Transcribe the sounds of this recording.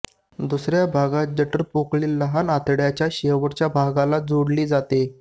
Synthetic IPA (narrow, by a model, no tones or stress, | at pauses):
d̪usɾjabʱaɡad͡ʑəʈəɾpokɭiːlːəɦanat̪ɽjat͡ɕjaɕeʋəɾt͡ɕjabʱaɡalad͡zoɽliːd͡zat̪e